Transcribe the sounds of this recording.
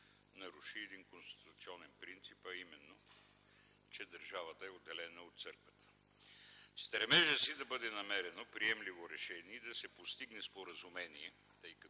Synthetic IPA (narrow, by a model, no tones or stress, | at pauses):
nɐɾuʃiɛd̪inkonst̪i̥t̪ʊt̪siɔnɛnpɾint̪sipɐimɛnːo | t͡ʃɛd̪ɐɾʒavət̪əɛod̪ːɛlɛnəot̪t̪sɤɾkvət̪ə̥ | st̪ɾɛmɛʒəsid̪ɐbɤd̪ɛnɐmɛɾɛnopɾiɛmlivoɾɛʃɛniːd̪ɐsɛpost̪iɡnɛspoɾɐzumɛniɛ | t̪ɤjkə